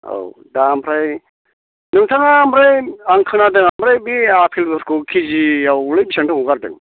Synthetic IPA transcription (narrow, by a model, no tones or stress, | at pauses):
o̰wdampʰɾaj | nɯŋtʰaŋaːmɾajaŋkʰɯnadɯŋamɾajbiapʰilbɯɾkukʰiziawlɯjbisaŋtʰaŋɔɡaɾdɯ̰ŋ